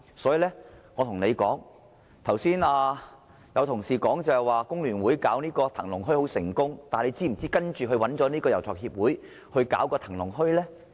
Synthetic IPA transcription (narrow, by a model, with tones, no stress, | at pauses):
sɔː˨˥jiː˨˧lɛː˥ŋɔː˨˧t̪ʰʊ˨˩ŋne˨˧jkɔː˨˥ŋ | t̪ʰɐ˨˩wsiː˥naː˧ | jɐ˨˧wt̪ʰʊ˨˩ŋsiː˨kɔː˨˥ŋt͡sɐ˨˧hɛ˨˩jwaː˨˧kʊ˥ŋlyː˨˩nwuː˨˥jkaː˨˥wniː˥kɔː˧t̪ʰɐ˨˩ŋlʊ˨˩ŋɦɵ˥ɥho˨˥wsɪ˨˩ŋkʊ˥ŋt̪aː˨nle˨˧jt͡siː˥m̩˨˩t͡siː˥kɐ˥nt͡ʃyː˨˩ɦɵ˧ɥwɐ˨˥nt͡ʃɔ˨˥niː˥kɔː˧jɐ˨˩wt͡sʰɔː˨˩k̚hiː˧p̚wuː˨˥j | hɵ˧ɥka̰ː˨˥wkɔː˧t̪ʰɐ˨˩ŋlʊ˨˩ŋɦɵ˥ɥlɛː˥